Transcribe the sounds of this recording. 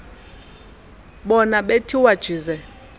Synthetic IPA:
ɓɔnaɓetʰiwad̥ʒ̥ʱizɛ

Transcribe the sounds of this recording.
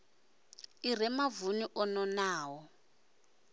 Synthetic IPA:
ir̤ɛmavuniʔɔnɔnaːwɔ

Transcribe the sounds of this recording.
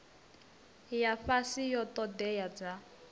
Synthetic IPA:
jaɸasijɔt̪ɔd̪ɛjad͡za

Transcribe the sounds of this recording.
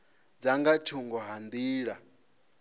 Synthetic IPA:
d͡zaŋɡatʰuŋɡɔɦand̪iːɺa

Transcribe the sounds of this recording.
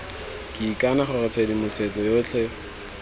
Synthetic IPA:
kʼɪːkʼanaχʊrʊt͡sʰedimʊset͡sɔjoːt͡ɬʰɛ

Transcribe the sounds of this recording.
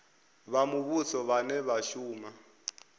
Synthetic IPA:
βamuβut͡sʰɔβanɛβaʃuːma

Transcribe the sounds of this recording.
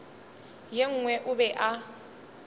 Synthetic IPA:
jeŋ̩ːŋwɛʔʊbɛʔa

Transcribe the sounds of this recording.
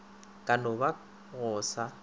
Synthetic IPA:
kʼanʊba | ɣɔːsa

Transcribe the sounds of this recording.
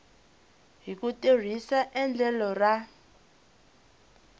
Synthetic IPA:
ɦikuter̤isaʔɛnd͡ɮʱɛlɔra

